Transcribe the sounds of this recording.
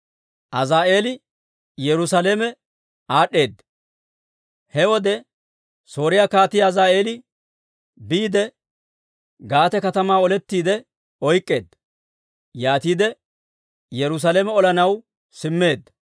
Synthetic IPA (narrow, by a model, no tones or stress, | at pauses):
ʔɐzaːʔe̞ːlɪ | jɛɾʊsaleːmɛ | aːɗːe̞ːd̪ːɐ | hɛwɔd̪ɛ | so̞ːɾɪjaːkaːt̪ɪjɐzaːe̞ːlɪ | biːd̪ɛ | ɡaːt̪ɛkɐt̪ɐmaːɔlɛt̪ːiːd̪ɛ | ɔjkʼːe̞ːd̪ːɐ | jaːt̪iːd̪ɛ | jɛɾʊs̬aleːmɛɔlɐnɐw | sɪmːe̞ːd̪ːɐ